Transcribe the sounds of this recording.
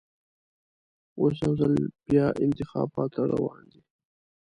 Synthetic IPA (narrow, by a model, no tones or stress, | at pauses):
os̬awzəlb̥jɑːʔɪnt̪ɪxɑ̰ːbɑt̪ːaɾa̰wɑ̃ːnd̪i